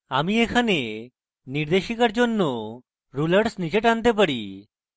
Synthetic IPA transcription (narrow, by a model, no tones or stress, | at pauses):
amiɛkʰane | niɾd̪eʃikaɾd͡ʒɔnːɔ | ɾuləɽsnid͡ʒeʈant̪ɛpəɽḭ